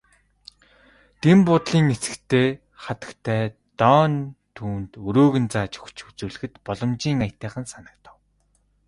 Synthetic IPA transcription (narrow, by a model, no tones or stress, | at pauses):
t̪empʊt̪ɮiːŋet͡sɘ̆kt̪ʰeː | χat̪ə̆kt̪ʰæːt̪ɔːnt̪ʰuːnt̪ɵɾoːɣɘ̆nt͡saːt͡ɕɵ̥kt͡ɕʰut͡suːɮɘ̆xɘ̆t̪pɔɮɞ̆mt͡ɕiːŋajʰt̪æːχə̆nsanə̆k̚t̪ə̆w